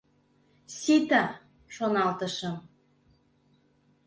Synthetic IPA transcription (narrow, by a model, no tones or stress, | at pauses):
sit̪ɑ | ʃonɑlt̪ɤ̆ʃɤ̆m